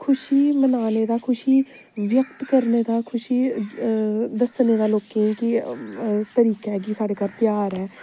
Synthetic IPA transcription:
kʰʊʃiːmənaːned̪aːkʰʊʃiː | ʋjəkt̪kəɾneːd̪aːkʰʊʃiː | d̪əsneːd̪aːloːkẽki | t̪əɾiːkɛɡisaːɽeːkaːɾp̪jaːɾɦɛː

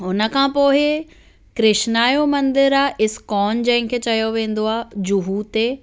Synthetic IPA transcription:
ʊnə̆kʰãːpoːɦɪ | kɾɪʃnaːjomɐ̃nd̪ɪɾaːʔɪskɔːnd͡ʑɐ̃ɦɪ̃ŋkʰet͡ɕɐjoʋẽːn̆d̪oaːd͡ʑʊɦut̪eː

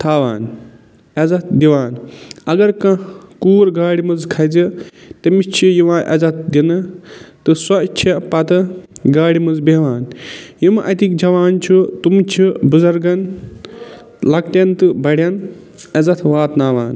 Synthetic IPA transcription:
t̪ʰaːʋaːn | ɐzɐt̪̚ʰd̪iʋaːnɐɡɐɾkɐ̃kuːɾɡaːɽimɐzkʰɐd͡zit̪ɐmit͡ʃʰijiʋãːʔɐ̰zɐt̪̚ʰd̪inɨt̪ɨsɐt͡ʃʰipɐt̪ɨɡaːɽimɐzbeʋaːnjimʔɐt̪ikd͡ʒɐʋaːnt͡ʃʰut̪umt͡ʃʰibuzɐɾɡɐn | lɐkt̪jɐnt̪ɨbɐɽʲjɐn | ɐzɐt̪ʰʋaːt̪naːʋaːn

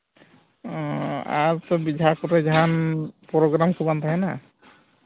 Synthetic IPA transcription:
aɹt̪ɔbidʱakɔɾɛzaɦanpɔɾɔɡɾamkʰubant̪ʰaɦɛna

